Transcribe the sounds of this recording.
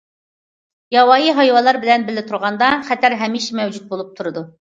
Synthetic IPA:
jɑwɑːjiɦɑjwɑlˠɑɾbɪlɛnbɪlːɪt̪ʰuɾʁɑnd̪ɑχɛt̪ʰæɾɦɛmiʃɛmɛwd͡ʒut̪̚bolˠup̚t̪ʰuɾɨd̪u

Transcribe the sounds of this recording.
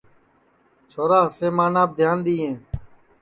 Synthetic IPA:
t͡ʃʰoːɾaːseːmaːnaːb̚d̪ʱjaːnd̪iːɦẽː

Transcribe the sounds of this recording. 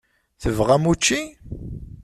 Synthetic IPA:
θəvʁæmut͡ʃːi

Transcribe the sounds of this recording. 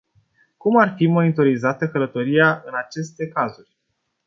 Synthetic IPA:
kumarfimo̞nit̪o̞ɾizat̪əkələt̪o̞ɾijaʔɨnat͡ʃe̞st̪e̞kazurʲ

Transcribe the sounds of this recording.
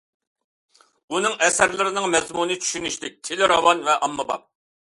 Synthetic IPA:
unɨŋɛsæɾlɪɾɪnɪŋmɛzmunɨt͡ʃʰy̥ʃynyʃlɪk̚ʲt̪ʰelɪɾɑwɑnvɛʔɑmːɨbɑ̰p̚

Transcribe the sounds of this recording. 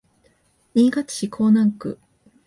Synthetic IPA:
ɲʲiːɡat͡ɕi̥ɕikʰoːnãŋkɯ̟̰

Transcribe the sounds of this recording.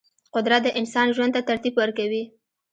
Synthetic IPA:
qʊd̪ɾat̪̚d̪əʔɪnsɑnʒwand̪̚t̪at̪aɾt̪ibwəɾkawi

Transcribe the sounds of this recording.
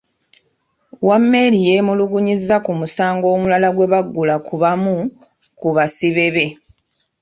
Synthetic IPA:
wamːe̞ɾijemuluɡuɲizːakumusaːŋɡo̞ːmulalaɡwe̞βaɡːulakuβamu | kuβasiβe̞βe̞

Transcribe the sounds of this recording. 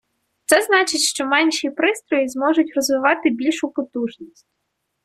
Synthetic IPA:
t̪sɛznɑt͡ʃɪtʲʃt͡ʃɔmɛnʲʃipɾɪst̪ɾɔjizmɔʒʊtʲrɔzʋɪʋɑt̪ɪbʲilʲʃʊpɔt̪uʒnʲisʲtʲ

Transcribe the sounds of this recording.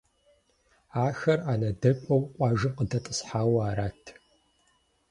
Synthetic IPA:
aːxɐraːnɐdɐkʷʼɐwqʷʼɑːʒɨqədɐtʼəsħaːwaːɾaːtʰ

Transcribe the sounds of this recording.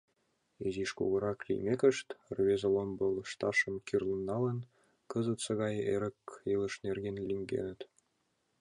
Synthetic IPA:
eziʃkṵɣɤ̆ɾɑklʲḭjmʲekʲɘ̆ʃt̪ʲrβʲezʲĕlombɤ̆lˠɤ̆ʃt̪ɑʂɤ̆mkʲirlʲˠɤ̆nːɑlɤ̆n | kɤzɤ̆t̪sɤ̆ɣɑjḛɾʲɘ̆kelˠɤ̆ʃnʲerʲɡʲenʲlʲiŋʲɡʲḛnʲɘ̆t̪ʲ

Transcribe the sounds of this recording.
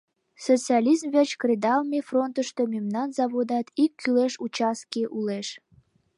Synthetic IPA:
sot͡siɑlʲizmvʲet͡ɕkrʲed̪ɑlˠmʲefront̪əʃt̪omʲemnɑnzɑβod̪ɑt̪ikːyleʃut͡ɕɑskiʔuleʃ

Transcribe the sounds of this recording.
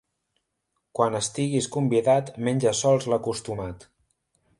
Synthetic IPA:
kwanəst̪iɣiskumbiðat̪menʲd͡ʒəsɔlˠzləkust̪umat̪

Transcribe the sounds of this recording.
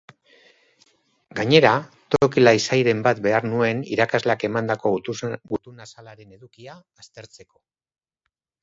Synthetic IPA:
ɡaɲe̞ɾa | t̪okilaisajɾe̞mbat̪be̞aɾnue̞nḭɾakazlake̞mand̪ako̞ɡut̪unasalaɾe̞ne̞ðukiaːst̪e̞ɾt͡se̞ko̞

